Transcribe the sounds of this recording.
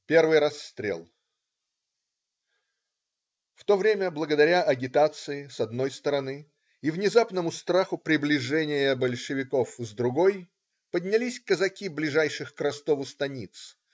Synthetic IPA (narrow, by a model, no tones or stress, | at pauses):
pʲe̞rvɨjɾɐsːt̪ɾʲḛlˠ | ft̪o̞vɾʲemʲəblˠəɡəd̪ɐɾʲaʔɐɡʲɪt̪at̪sɨɪsɐd̪no̞jst̪əɾɐnɨ | ivnʲɪzapnəmʊst̪ɾaxʊpɾʲɪblʲɪʐɛnʲɪjəbəlʲʂɨvʲɪko̞fzd̪ɾʊɡo̞j | pədʲnʲɪlʲisʲkəzɐkʲiblʲɪʐajʂɨxkɾɐst̪o̞vʊst̪ɐnʲit̪s